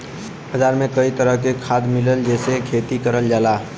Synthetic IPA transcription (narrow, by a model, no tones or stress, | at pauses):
əd͡ʒaɾmẽkəit̪əɾəɦkekʰad̪miləld͡ʒɛːsekʰet̪ikəɾəld͡ʒala